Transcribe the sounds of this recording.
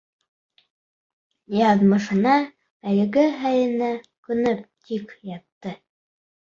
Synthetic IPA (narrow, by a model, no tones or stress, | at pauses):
jɑðmɤ̆ʃɤ̆nɑ | ælɘ̆ɡɘɦæjɘ̆næ | kɵ̆nɵpt̪ʰikjɑt̪ːɤ